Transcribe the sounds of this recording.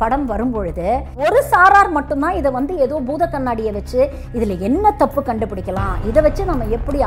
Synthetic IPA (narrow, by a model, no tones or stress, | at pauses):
pɐɽɐmʋɐɾɯmpɔɻɯðɯɔɾɯsaːɾaːɾmɐʈːɯnt̪ãːɪðɐʋɐnd̪ɯeːðoːbuːðɐkːɐɳːaːɽɪjɐʋɐt͡ʃːɯ | ɪðɪlɐɛnːɐt̪ɐpːɯkɐɳɖɯpːɪɽɪkːɐlã̰ːɪðɐʋɐt͡ʃːɯnɐmːɐɛpːɐɽi